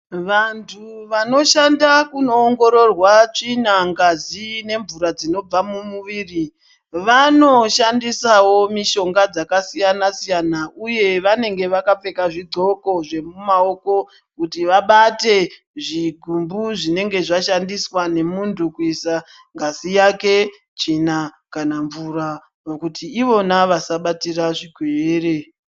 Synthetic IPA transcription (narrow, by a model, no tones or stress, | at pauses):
ʋantʰuʋano̞ʃandakuno̞ːŋɡo̞ɾo̞rwat͡ʂinaŋɡazine̞ɱvuɾad͡zino̞b͡vamumuʋiːri | ʋano̞ʃandisawo̞miʃo̞ŋɡad͡zakasijanasijanauje̞ʋane̞ŋɡe̞ʋakap͡fe̞kaʐiɡ͡ǀʱo̞ko̞ʐe̞mumao̞ko̞ | kutiʋaɓate̞ | ʐiɡʱumbuʐine̞ŋɡe̞ʐaʃandiswane̞muntʰukuisa | ŋɡʱasijake̞ | t͡ʃina | kanaɱvura | okutiːʋo̞naʋasaɓatiraʐiɡʱweːre̞